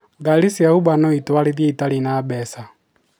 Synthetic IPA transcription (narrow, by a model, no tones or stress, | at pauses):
ɡalisiaubanɔitwaliðjɛitalinabɛsa